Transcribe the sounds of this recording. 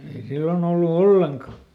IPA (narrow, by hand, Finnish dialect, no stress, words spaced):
ei silːon olːu olːeŋkɑ